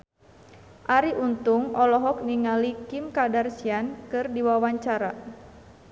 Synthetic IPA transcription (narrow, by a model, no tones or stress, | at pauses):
ʔaɾiʔunt̪uŋɔlɔɦɔk̚niŋalikimkadarsiankɨrdiwawaɲt͡ʃaɾa